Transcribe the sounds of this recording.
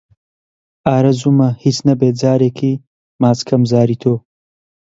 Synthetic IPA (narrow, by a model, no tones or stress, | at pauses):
aːɾɐzumɐhit͡snɐbeːd͡zaːɾeːkʰiː | maːt͡skʰɐmzaːɾiːt̪ʰoː